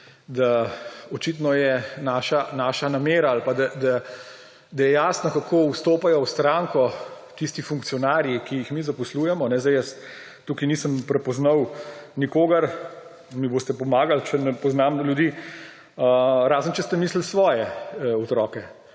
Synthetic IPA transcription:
d̪aɔt͡ʃit̪nɔjɛnaːʃanaːʃanameːɾaaːlpad̪ad̪a | d̪ɐjɛjaːsnɔkakʰoːwst̪oːpajɔwst̪ɾaːŋkɔ | t̪ist̪ifuŋk̚t̪sijɔnaːɾjikijixmiːzapɔsluːjɛmɔnɛzd̪ɐɪjəs | t̪ːuːkinisəmpɾɛpɔznɐwnikoːɡɐɾ | miboːst̪ɛpɔmaːɡalt͡ʃɛnɛpɔznamljud̪iː | əɾaːzənt͡ʃɛst̪ɛmiːsləlsʋɔːjɛɔt̪ɾɔːkɛ

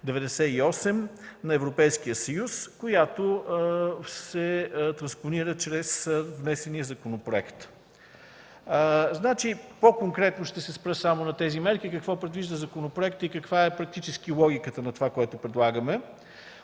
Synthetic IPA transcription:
d̪ɛvɛd̪ɛsɛiɔsɛm | nɐɛvɾopɛjskijəsɐjuskojat̪o | sɛt̪ɾɐnsponiɾət͡ʃɾɛsvnɛsɛnijəzɐkonopɾoɛkt̪ | znat͡ʃipokoŋkɾɛt̪noʃt̪ɛsɛspɾəsamonɐt̪ɛzimɛɾkikəkvɔpɾɛd̪viʒd̪əzɐkonopɾoɛkt̪əikəkvaɛpɾɐk̚t̪it͡ʃɛsk̟ilˠɔɡʲikət̪ənɐt̪ovakoɛt̪opɾɛd̪lˠaɡəmɛ

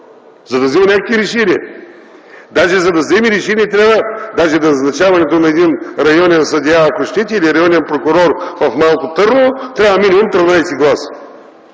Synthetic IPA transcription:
zɐd̪ɐzimɐnʲakəkviɾɛʃɛnʲiɛ̰ | d̪aʒɛzɐd̪ɐzɛmiɾɛʃɛniɛt̪ɾʲavvəd̪aʒɛd̪ɐnɐznɐt͡ʃavɐnɛt̪onɐɛd̪inɾɐjɔnʲɛnsɐd̪ʲiaːkoʃt̪ɛt̪ʲiːliɾɐjɔnʲiɛnpɾokʊɾɔɾvɐfmalˠkot̪ɤɾnot̪ɾʲavvəminʲimumt̪ɾənajsiɡlˠas

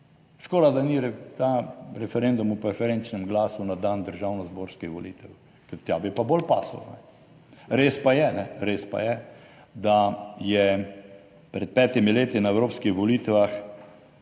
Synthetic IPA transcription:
ʃkoːd̪ad̪aniɾɛt̪aɾɛfɛɾend̪umupɾɛfɛɾɛnt͡ʃnɛmɡlaːsunad̪aːnd̪əɾʒawnɔzboːɾskixʋɔliːt̪ɛw | kɛt̪jaːbipabolpa̰ːsa̰lnɛ | ɾeːspajɛnɛɾeːspa̰jɛ | d̪ajɛ | pɾɛt̪̚pɛːt̪imileːt̪inaɛwɾoːpskixʋɔliːt̪ʋax

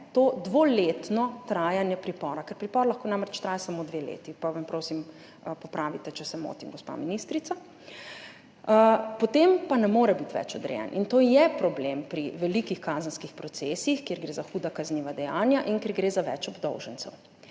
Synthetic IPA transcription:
t̪oːd̪ʋoːleːt̪nɔt̪ɾaːjanjɛpɾipɔːɾakɛɾpɾipɔːɾlɐxkoːnamɾɛt͡ʃt̪ɾaːjasamod̪ʋelḛːt̪ipaʋampɾoːsim | pɔpɾaːʋit̪ɛt͡ʃɛsɛmo̰ːt̪imɡɔspa̰ːminist̪ɾit̪sa | pɔt̪empanɛmoːɾɛbit̪ʋɛ̰t͡ʃɔd̪ɾɛ̰jɛ̰nʔḭnt̪oːjɛpɾɔblempɾiʋɛlikixkaːzənskixpɾɔt̪seːsixkeɾɡɾeːzaxuːd̪akazniːʋad̪ɛja̰ːnjaʔiŋkeːɾɡɾeːzaʋɛ̰t͡ʃɔbd̪ɔ̰wʒənt̪sɛ̰w

